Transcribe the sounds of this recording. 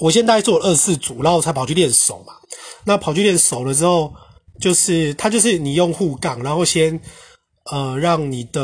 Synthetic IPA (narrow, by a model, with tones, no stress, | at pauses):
wɔ˨˩ɕ̬jɛ˥nt̪̬a˥˧˥t͡swɔ˥˩ə˩ə˥˧sɹ̩˥˩t͡su˨˩a˦xo˥˧˩t͡sʰa˥˩pʰɑ˨˩ʊt͡ɕʰy˥˧ljɛ˥˨nso˨˩ʊma˦na˥˨pʰɑ˨˩t͡ɕʰy˥˧ljɛ˥˨nso˨˩ʊlə˩˧ʈ͡ʂɻ̩˥xo˥˨˧ʊ | t͡ɕjo˥˧ʊʂɻ̩˥˩t̪ʰa˥t͡ɕjo˥˧ʊʂ̬ɻ̩˥˩ni˨˩jo˥˧ŋxu˥˧ka˨˩ŋɻa˧˦nxo˥˧ʊɕjɛ˦˥n | ə˨ɻɑ˥˨ŋni˨˩d̪ə˧